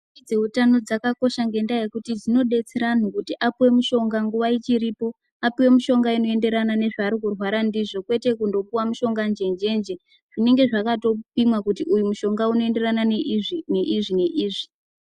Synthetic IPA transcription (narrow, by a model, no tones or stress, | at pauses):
id͡ze̞utano̞d͡zakako̞ʃaŋɡe̞ndaje̞kutid͡zino̞ɗe̞t͡seɾan̤ukutiʔapiwe̞muʃo̞ŋɡaŋɡuʋait͡ʃiɾipo̞ | apiwe̞muʃo̞ŋɡaino̞e̞nde̞ɾanane̞ʐaːɾikurwaɾandiʐo̞kwe̞te̞kundo̞puwamuʃo̞ŋɡand͡ʒe̞nd͡ʒe̞nd͡ʒe | ʐ̥ine̞ŋɡe̞ʐakato̞pimwakutiʔujumuʃo̞ŋɡauno̞e̞nde̞ranane̞ʔiʐine̞ʔiːʐi